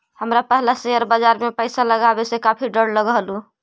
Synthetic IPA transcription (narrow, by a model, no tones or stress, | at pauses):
həmɾapəɦlaseəɾbad͡ʒaɾmepəɪsaləɡabesekapʰiɖəɽləɡɦəlu